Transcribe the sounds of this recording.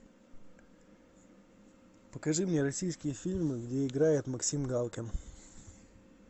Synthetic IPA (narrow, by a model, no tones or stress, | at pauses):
pəkɐʐɨmnʲeɾɐsʲijskʲɪjəfʲilʲmɨɡdʲeɪɡɾajɪt̪mɐksʲimɡalˠkʲɪn